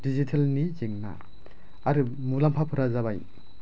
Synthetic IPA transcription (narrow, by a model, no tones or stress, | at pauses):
dizitʰelnizeŋna̰ | aɾɯ | mulampʰapʰɯɾazaβaj